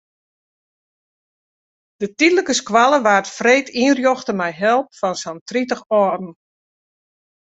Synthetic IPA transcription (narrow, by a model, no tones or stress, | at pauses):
d̥ətidləkəskwalˠəʋaːrtfreːtʰiərjoxtəmɛjɦɛlˠpfɔnsɔntritəxɔːdn̩